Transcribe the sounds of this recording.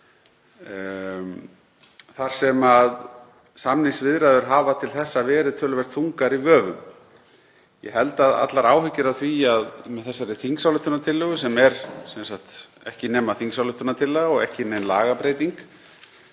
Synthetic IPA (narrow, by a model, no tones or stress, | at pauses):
θaɾ̥sɛmað | samniŋsvɪðɾaðʏɾ̥ɦaːvat̪ʰɪlθɛsːavɛːɾɪðt̪ʰœːlʏvɛɾ̥t̪θuŋkaɾivœːvʏm | jɛ̰ɦɛlt̪aða̰t̪laɾa̰ːwhʏcːʏɾawθviaðmɛðθɛsːaɾɪθiŋsawlʏht̪ːʏnat̪ʰɪlːʏɣʏsɛmɛɾsɛnsakt̪ | ɛhcɪnɛːmːaθiŋksawlʏht̪ʏnat̪ʰɪlːɛɣaɔɣɛhcɪnenla̰ːɣapɾejt̪iŋk